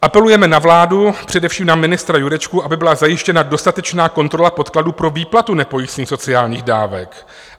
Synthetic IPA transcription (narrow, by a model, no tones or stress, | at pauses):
ʔapɛlujɛmɛnavlaːdupr̝̥ɛdɛfʃiːmnamɪnɪst̪ɾajuɾɛt͡ʃkuʔabɪbɪlazajɪʃcɛnado̞st̪at̪ɛt͡ʃnaːko̞nt̪ɾo̞lapot̪kladuːpɾo̞viːplat̪unɛpo̞jisɲiːsot͡sɪaːlɲiːɣda̰ːvɛ̰k